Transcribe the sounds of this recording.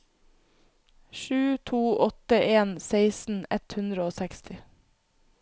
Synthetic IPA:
ʃʉːt̪ʰuːʔɔt̪əʔeːnseɪsn̩ɛt̪hʉnd̪ɾəoːsækst̪ʰɪ

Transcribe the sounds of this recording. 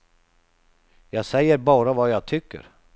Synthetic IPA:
jɑːɡsɛjːəɾbɑːɾavajɑːɡ̚t̪ʰʏkːə̰ɾ

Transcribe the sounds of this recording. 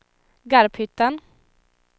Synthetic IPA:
ɡaɾphʏt̪ːan

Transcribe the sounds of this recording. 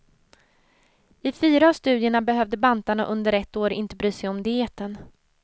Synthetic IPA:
ɪfyːɾaːvst̪ʉ̟ːd̪jɛɳabɛɦœvd̪əbant̪aɳaʔɵnd̪əɾɛt̪ːoːɾɪ̰nt̪əbɾyːsɛjɔmd̪ɪeːt̪ən

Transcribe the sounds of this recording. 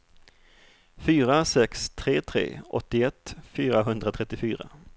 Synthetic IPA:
fyːɾasɛkst̪ʰɾeːt̪ʰɾḛːʔɔ̰t̪ːɪɛt̪ːfyːɾaɦɵnd̪ɾat̪ʰɾɛt̪ːɪfyːɾa̰

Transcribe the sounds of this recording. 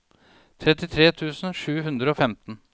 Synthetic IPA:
t̪ʰɾɛt̪ɪt̪ʰɾeːt̪ʰʉːsn̩ʂʉːɦʉnd̪ɾəoːfɛmt̪n̩

